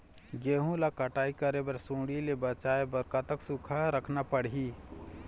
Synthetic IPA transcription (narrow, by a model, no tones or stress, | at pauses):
ɡeɦũlakəʈaːikəɾebəɾsũːɽilebət͡ʃaebəɾkat̪əksukʰaɾəkʰnapəɽɦi